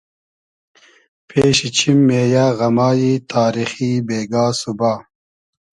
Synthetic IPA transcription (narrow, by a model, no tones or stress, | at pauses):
pʰeːɕit͡ɕʰimːeːjaːɣɐmɑːjit̪ʰaːɾixibeːɡaːsubaː